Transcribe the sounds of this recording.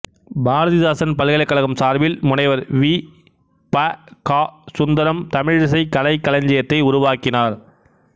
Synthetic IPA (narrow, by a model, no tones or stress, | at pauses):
baːɾɐðɪðaːsɐnpɐlɣɐlɐkːɐɭɐɣɯmsaːɾʋɪlmʊnɐɪʋɐɾʋiː | pakaːsʊnd̪ɐɾɐmt̪ɐmɪɻɪs̬ɐɪkɐlɐɪkːɐlɐɲd͡ʒɐjɐt̪ːɐɪʊɾʊʋaːkɪnaːɾ